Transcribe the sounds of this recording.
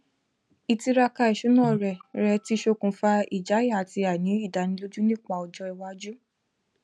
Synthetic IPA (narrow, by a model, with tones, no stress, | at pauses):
i˨ti˧ɾa˧ka˧i˨ʃu˨˦nã˦˨ɾɛ˨ɾɛ˧˦ti˧˦ʃo˧kũ˧fa˧˦i˨d͡ʒa˨˦ji˦˨a˨ti˧a˨nĩ˨˦i˦˨da˨nĩ˧lo˦d͡ʒu˦nĩ˦˨k͡pa˧ɔ˧d͡ʒɔ˧i˧wa˧˦d͡ʒu˦